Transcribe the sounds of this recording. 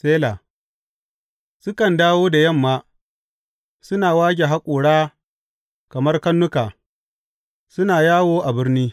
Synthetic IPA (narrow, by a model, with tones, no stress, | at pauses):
seː˦laː˨ | sʊ˦kɐ˨ndaː˦woː˦da˨jɐ˦˨mːaː˦ | sʊ˦naː˨waː˦ɡʲe˨ɦa˦kʷʼuː˨ɽaː˦ | kɐ˨mɐ˦rkɐ˦nːʊ˦kaː˨ | sʊ˦naː˨jaː˦woː˦ʔa˨bɪ˦rniː˦